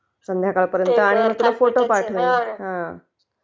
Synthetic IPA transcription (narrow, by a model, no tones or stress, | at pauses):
sənd̪ʱjakaɭpəɾjənt̪əaɽ̃im̤ət̪ulafoʈopaʈʰʋəɦã